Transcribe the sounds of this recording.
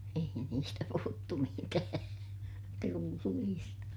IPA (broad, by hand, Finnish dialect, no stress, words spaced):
ei niːstæ puhutːu mitæː trulːiːstɑ